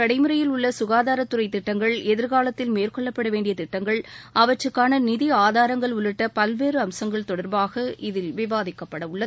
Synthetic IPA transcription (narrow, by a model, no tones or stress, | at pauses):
ɐɽɐɪmɯɾɐjɪlʊɭːɐsʊɣaːðaːɾɐt̪ːʊɾɐɪt̪ːɪʈːɐŋɡɐɭɛðɪɾɣaːlɐt̪ːɪlmeːrkɔɭːɐpːɐɽɐʋeːɳɖɪjɐt̪ɪʈːɐŋɡɐɭɐʋɐt͡ʃrɯkːaːnɐnɪðiaːðaːɾɐŋɡɐɭʊɭɪʈːɐpɐlʋeːɾɯɐmsɐŋɡɐɭt̪ɔɽɐɾbaːɣɐʔɪðɪlʋɪʋaːðɪkːɐpːɐɽɐʊɭːɐð